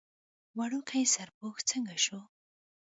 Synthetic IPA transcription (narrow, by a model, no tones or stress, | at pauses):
waɽukʰajsaɾpoxt͡səŋɡaʃo